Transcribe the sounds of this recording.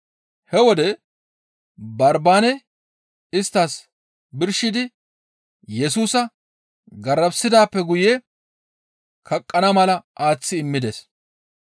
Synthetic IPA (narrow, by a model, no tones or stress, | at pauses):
hɛwɔd̪ɛ | bɐɾbaːnɛ | ɪst̪ːas | bɪɾʃɪd̪ɪ | jɛsuːsɐ | ɡɐɾːɐbsɪd̪aːpːɛɡʊje | kɐkʼːɐnɐmɐlɐʔaːt͡sːɪːmːɪd̪es